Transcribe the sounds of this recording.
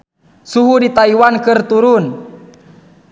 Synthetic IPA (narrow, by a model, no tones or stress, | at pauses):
suɦudit̪aiwankɨrt̪uɾun